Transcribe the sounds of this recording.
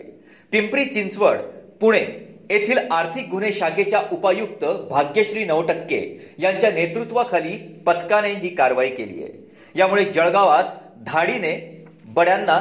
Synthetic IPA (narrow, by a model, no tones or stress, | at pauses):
pimpɾiːt͡ɕint͡sʋəɽpuɽ̃eet̪ʰiːlaɾt̪ʰik̚ɡʱuneɕaɡet͡ɕjaʔupajukt̪əbʱaɡjəɕɾiːnəʋʈəkːḛjaɲt͡ɕjanet̪ɾut̪ʋakʰaliːpət̪kaneɦiːkaɾʋaiːkelḭːjḛ | jamuɭed͡ʑəɭɡaʋat̪̚ | d̪ʱaɽine | bəɽjanːa